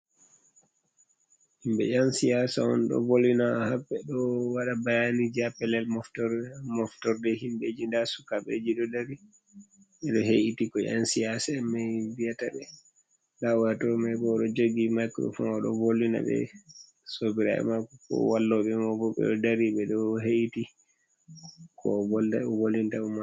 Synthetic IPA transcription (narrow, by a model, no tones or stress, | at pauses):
himbɛ̰ʔansijasaɔ̰nɗɔ̰volːinahabɛɗɔwaɗabajanid͡ʒiapɛlɛlmɔftɔmɔftɔɾdɛhimɓed͡ʒindasukaɓḛd͡ʒiɗɔdaɾi | ɓɛɗɔɦeʔitikɔʔa̰nsijasaɛmajvijataɓɛ | lawtɔmajbɔɗɔd͡ʒoɡimajkɾɔ̰fa̰nɔɗɔ̰volːina̰ɓɛ̰ | sobiɾa̰ɛ̰makɔkɔ̰walːɔɓɛmɔbɔɓɛ̰ɗɔdaɾiɓɛɗɔɦeʔiti | kʰɔ̰vɔldawolːintauma